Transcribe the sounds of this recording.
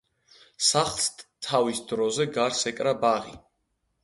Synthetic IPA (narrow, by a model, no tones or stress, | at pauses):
saχlˠst̪t̪ʰavisd̪ɾɔzɛɡaɾsɛkʼɾabaʁi